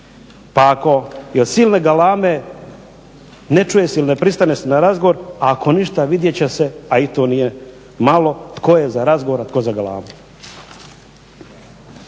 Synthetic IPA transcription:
paːko̞jod̪siːlne̞ɡalaːme̞ | net͡ʃujesilinepɾist̪anesenaɾazɡoʋoɾakʰo̞niʃt̪aʋid̪jet͡ɕese̞ait̪onije | malo̞t̪ko̞jezaɾazɡoʋoɾat̪kozaɡala̰ːmu

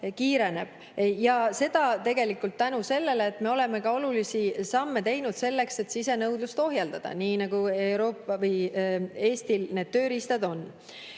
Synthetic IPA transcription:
kiːɾe̞ne̞b̥̚ | jɑse̞d̪̥ɑt̪e̞ɡe̞likːˑult̪ːænuse̞lːe̞leːt̪ːˑme̞o̞le̞me̞kɑo̞lulisisɑmːe̞t̪e̞jnud̪̥se̞lːe̞kse̞t̪sise̞nɤwd̪̥lust̪o̞ɦjɑld̪̥ɑd̪̥ɑ̰niːnɑɡ̥ue̞wɾo̞ːpːˑɑvɯje̞ːst̪ilne̞ːd̪̥t̪ːøːɾist̪ɑd̪o̞nː

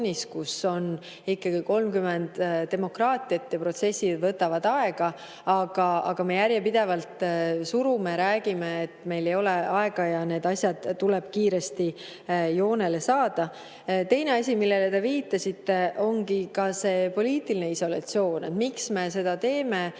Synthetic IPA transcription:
nʲiskuso̞n | ikːɑɡ̥iko̞lmkymend̪̥e̞mo̞krɑːt̪ʲˑijɑt̪ːjɑpro̞t̪se̞sːid̪vɤt̪ːˑɑvɑd̪ɑe̞ɡ̥ɑ | ɑɡ̥ɑɑɡ̥ɑme̞jæɾjepid̪̥e̞vɑlt̪suɾume̞ɾæːɡimeːt̪ːme̞jle̞jo̞le̞ɑe̞ɡ̥ɑjɑne̞ːd̪ɑsʲjɑd̪̥t̪ːuleb̥̚kiːɾe̞st̪i | jo̞ːne̞le̞sɑːd̪̥ɑ | t̪e̞jne̞ɑsʲimilːe̞let̪e̞viːt̪ːˑɑsit̪ːe̞ʔo̞ŋɡikɑse̞ːpo̞liːt̪iline̞iso̞lɑ̰t̪sio̞ːnḛt̪miksme̞se̞d̪̥ɑt̪e̞ːme̞

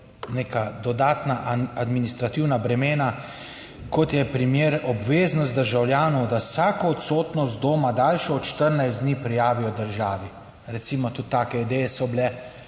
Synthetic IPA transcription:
nekad̪ɔd̪aːt̪naʔad̪minist̪ɾat̪iwnabɾɛmeːna | kɔt̪jɛpɾimjeːɾɔbʋeːznɔst̪d̪əɾʒawljaːnɔwd̪asaːkɔːt̪soːt̪nɔzd̪oːmad̪alʃɛɔt̪ʃt̪əɾnajszd̪niːpɾijaːʋijɔd̪əɾʒaːʋi | ɾɛt̪simɔt̪ut̪ːaːkɛid̪ɛjɛsɔblɛ

